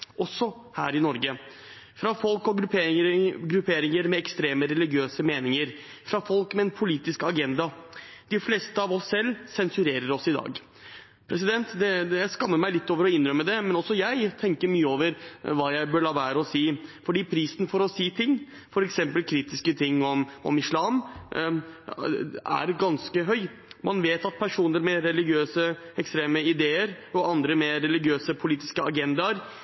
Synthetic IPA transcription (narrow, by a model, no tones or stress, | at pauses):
ʔɔsːɔ | hæ̰ːɾɪnɔɾɡə | fɾɑfɔlkɔɡɾpː | ɡɾʉpʰeːɾɪŋəɾmɛɛkst̪ɾeːməɾɛlɪɡɪøːsəmeːnɪŋəɾ | fɾɑfɔlkmɛɛnpʰʊliːt̪ɪskɑɡɛnd̪ɑd̪̥ɪfleːst̪əɑʋɔsːɛlːsɛnsʉɾeːɾəɾɔsɪd̪ɑ̰ːɡ | pʰɾɛs̬ɪd̪ɛnt̪d̪ɛjæɪskɑmːəɾmæɪlɪt̪ːoːʋəɾɔɪnːɾœmːəd̪ɛmɛnɔsːɔjæɪt̪ʰɛŋkəɾmyːəoːʋəɾʋɑːjæɪbøːɭɑːʋæːɾəɔsiːfɔɖiːpʰɾiːsnfɔɾɔsiːt̪ʰɪŋː | fɔɾɛksɛmpəlkʰɾiːt̪ɪskət̪ʰɪŋːɔmɔ̰mɪʂlɑːm | æ̰ɾɡɑnskəɦœʏ | mɑnʋeːt̪ɑt̪̚pʰæʂuːnəɾmɛɾɛlɪɡɪøːsəɛkst̪ɾeːməɪd̪eːəɾ | ɔɑnd̪ɾəmɛɾɛlɪɡɪøːsəpʰʊliːt̪ɪ̥skəɑɡɛnd̪ɑɾ